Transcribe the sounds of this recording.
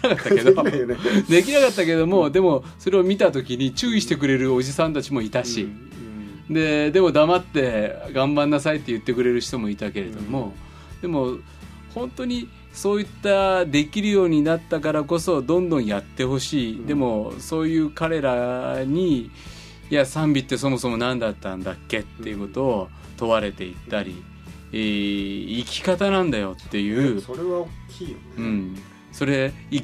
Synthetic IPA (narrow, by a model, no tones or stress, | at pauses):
inakatt̪ːaaked̪ood̪e̞k̬ʲinakat̪ːake̞d̪o̞mo̞d̪e̞mo̞ | so̞ɾe̞omʲit̪at̪o̞kʲiɲ̟it͡ɕɨːiɕi̥t̪e̞k̬ɯ̟ɾe̞ɾɯ̟o̞ʑisãnt̪at͡ɕimo̞it̪aɕi | d̪e̞d̪e̞mo̞d̪amat̪ːe̞ɡãmbanːasait̪ːe̞jɯ̟t̪ːe̞k̬ɯ̟ɾe̞ɾɯ̟çi̥t̪o̞mo̞it̪ake̞ɾe̞d̪o̞mo̞ | d̪̥e̞mo̞ | hõ̞nt̪o̞ɲ̟i | so̞ːit̪ːad̪e̞kʲiɾɯ̟jo̞ːɲ̟inat̪ːakaɾako̞so̞d̪õ̞nd̪õ̞ɰ̃jat̪ːe̞ɦo̞ɕiːd̪e̞mo̞so̞ːjɯ̟ːkaɾe̞ɾaɲ̟i | jasãmbʲit̪ːe̞so̞mo̞so̞mo̞nãnd̪at̪ːãnd̪akːe̞t̪ːejɯko̞t̪o̞ː | t̪o̞βaɾe̞t̪e̞it̪ːaɾʲḭ | eːikʲi̥kat̪anãnd̪ajo̞t̪ːe̞jɯ̟ːoɾeβaokʲiːjoɯ̟̃ɴ | so̞ɾe̞i